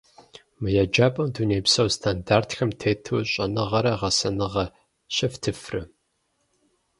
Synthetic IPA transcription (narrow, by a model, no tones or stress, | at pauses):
mɨjad͡ʒaːpʼɐmduneːpsɐwstʰandaːrtxɐmtʰeːtʰuːɕʼɐnɨʁɐɾɐʁɐsɐnɨʁɐ | ɕʼɪftʰɨfrɨ